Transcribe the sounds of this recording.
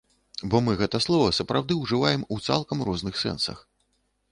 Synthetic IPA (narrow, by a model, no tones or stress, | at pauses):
bɔmɨɣɛt̪ɐslˠɔvɐsɐpɾawd̪ɨwʐɨvajɛmut̪sa̰lˠkɐmɾɔznɨxsɛ̰nsɐ̰x